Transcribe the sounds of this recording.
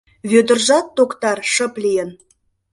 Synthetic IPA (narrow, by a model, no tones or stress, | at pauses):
βød̪ə̆rʒɑt̪ːokt̪ɑrʃə̆plijə̆n